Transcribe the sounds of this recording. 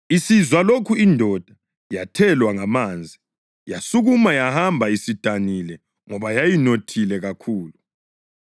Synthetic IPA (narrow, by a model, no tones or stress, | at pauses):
isizwalokʰuindʱɔd̥ʱa | jatʰɛlwaŋamaːnd͡zʱi | jasuɣumajahambʱaisid̥ʱanilɛ | ŋɔβajajinotʰilɛɣakʰuːlu